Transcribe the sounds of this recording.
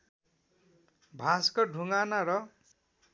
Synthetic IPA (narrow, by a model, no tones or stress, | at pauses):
bʱaskʌɖʱuŋɡanaɾʌ